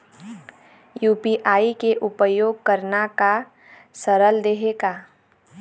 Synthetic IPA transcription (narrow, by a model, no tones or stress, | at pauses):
juːpiʔaːikeʔʊpəjoːɡ̚kəɾnaka | səɾəld̪eɦeːɡaː